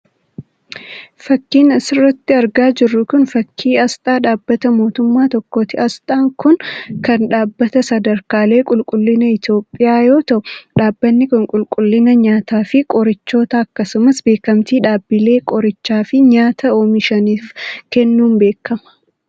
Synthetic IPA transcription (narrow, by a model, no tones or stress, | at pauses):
fɐkːiːnɐsɪrːɐt̪ːɪɐɾɡaːd͡ʒɪrːʊkʊnfɐkʰːiːɐst̪ʼaːᶑaːbːɐt̪ɐmo̞ːt̪ʊmːaːt̪ɔkːoːt̪ɪɐst̪ʼaːŋkʊnkɐnᶑaːbːɐt̪ɐsɐd̪ɐɾkaːle̞ːkʼʊlkʼʊlːɪnɐɪt̪jo̞ːpʼːɪjaːjo̞ːt̪ɐʔʊᶑaːbːɐnːɪkɐŋkʼʊlkʼʊlːɪnɐɲaːt̪aːfɪkʼɔɾɪt͡ʃːo̞ːt̪ɐɐkːɐsʊmɐsbe̞ːkɐmt̪iːᶑaːbːɪle̞ːkʼɔɾɪt͡ʃːaːfɪɲaːt̪ʰɐoːmɪʃɐniːfkɛnːuːmbe̞ːkːɐmɐ̥